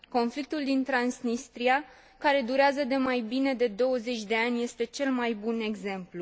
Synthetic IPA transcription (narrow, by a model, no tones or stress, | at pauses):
ko̞nflik̚t̪uld̪int̪ɾansnist̪ɾia | kaɾe̞d̪uɾeazəd̪e̞majbine̞d̪e̞d̪o̞wəze̞t͡ʃʲd̪e̞anʲje̞st̪e̞t͡ʃe̞lmajbune̞ɡze̞mplu